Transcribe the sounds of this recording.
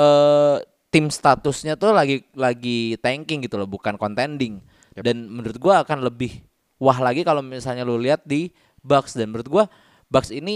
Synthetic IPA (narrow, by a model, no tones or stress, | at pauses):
ʔəː | t̪ɪmst̪at̪ʊsɲat̪ʊhlaɡilaɡit̪ɛŋkɪŋɡit̪ulɔhbukankɔnt̪ɛndɪŋ | danmənuɾʊt̪̚ɡuaːkanləbɪh | waɦlaɡikalomisalɲaloliɦat̪̚di | baksdanməuɾʊt̪̚ɡua | baksini